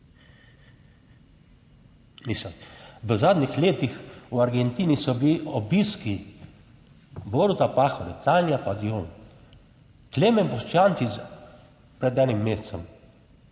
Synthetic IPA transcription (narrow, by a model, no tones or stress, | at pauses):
misəʋəzaːd̪nixleːt̪ixwaɾɡɛnt̪iːnisɔbiliɔbiːski | bɔɾut̪apaːxɔɾit̪anijafazioːn | kleːmɛnpɔʃt͡ʃaːnt͡s̪is | pɾɛd̪ɛnimːeːst͡s̪ɛm